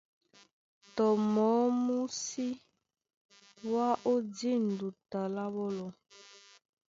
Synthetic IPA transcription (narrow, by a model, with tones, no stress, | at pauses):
tɔ˨mɔ˨˦mu˦si˦ | wa˦ʔo˦di˦˨n˨du˨ta˨la˦βɔ˦lɔ˨